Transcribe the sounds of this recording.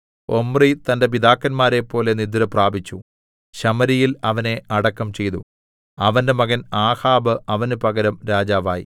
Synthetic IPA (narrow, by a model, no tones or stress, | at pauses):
o̞mrit̪ɐnde̞p̬id̪aːkːɐnmaːɾe̞pːo̞ːle̞nid̪iɾɐpraːbʱit͡ɕːu | ɕɐmɐɾijilɐʋɐne̞ɐɽɐkːɐmt͡ɕe̞jt̪u | ɐʋɐnde̞mɐɣɐnaːhaːbɨʔɐʋɐnupɐɣɐɾɐmɾaːd͡ʑaːʋa̰ːjḭ